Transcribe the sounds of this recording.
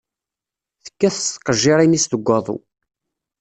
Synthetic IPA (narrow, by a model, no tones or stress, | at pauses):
θə̥kːæθəst̪ːqːəʒːiɾˤinist̪əɡʷːɑðˤṵ